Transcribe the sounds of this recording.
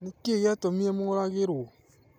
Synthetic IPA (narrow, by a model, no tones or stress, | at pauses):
nikeɡatomĩemuŋɾaɡeɾo